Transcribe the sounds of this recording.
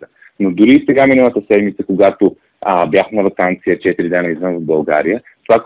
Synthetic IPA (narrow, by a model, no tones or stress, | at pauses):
ə | nod̪ʊɾisɛɡaminəlˠət̪əsɛd̪mit̪səkoɡat̪o | əbʲjaxnɐvɐkant̪sijət͡ʃɛt̪iɾid̪ɛnɐizvənvəvbɐlˠɡa̰ɾijə | t̪ovak